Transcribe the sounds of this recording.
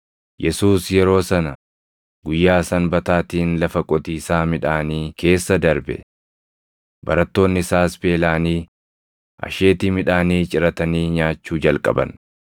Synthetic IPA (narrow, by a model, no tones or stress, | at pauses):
jʔɛsuːsjɛɾo̞ːsɐnɐ | ɡʊjːaːsɐnbɐt̪aːt̪iːnlɐfɐkʼɔt̪iːsaːmɪᶑaːniːkʰe̞ːsːɐd̪ɐɾbɛ̰ | bɐɾɐt̪ːo̞ːnːɪsaːsbe̞ːlaːniː | ʔɐ̰ʃe̞ːt̪ɪmɪᶑaːniːt͡ʃʼɪɾɐt̪ɐniːɲaːt͡ʃːuːd͡ʒɐlkʼɐ̰bɐ̰n